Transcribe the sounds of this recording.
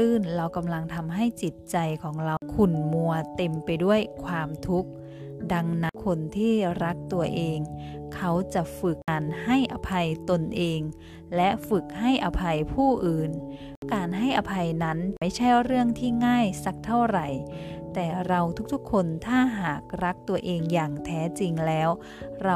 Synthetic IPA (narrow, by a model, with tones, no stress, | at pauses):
ʔɯː˥˩nɾa˧wka˨˧mla˧ŋt̪ʰa˧mɦa˥˩jt͡ɕi˨˩t̪̚t͡ɕa˨˧jkʰɔː˩˦ŋɾa˧wkʰu˨˩nmu˧ɐt̪e˨˩mpa˨jdu˥˩əjkʰwaː˧mt̪ʰu˦˥k̚ | da˧ŋna˦˥kʰo˧nt̪ʰiː˥˩ɾa˦˥k̚t̪u˧ɐʔeː˧ŋ | kʰa˦˥wt͡ɕa˨˩fɯ˨˩k̚ːaː˨nha˥˩jʔa˧˩pʰa˧jt̪o˧nʔeː˧ŋ | lɛ˦˥fɯ˨˩k̚ha˥˩jʔa˨˧pʰa˧jpʰuː˥˩ʔɯː˨˩n | kaː˨nɦa˥˩jʔa˨˧pʰa˧jna˦˥nma˥˩jt͡ɕʰa˥˩jɾɯ˥˩əŋt̪ʰiː˥˩ŋaː˥˩jsa˧˦k̚t̪ʰa˥˩wɾa˨˩jt̪ɛː˨˩ɾa˧wt̪ʰu˦˥k̚t̪ʰu˦˥kʰːo˧nt̪ʰaː˥˩ɦaː˨˩k̚ɾa˦˥k̚t̪u˧ɐʔeː˧ŋjaː˨˩ŋt̪ʰɛː˦˥t͡ɕi˧ŋlɛː˦˥w | ɾa˧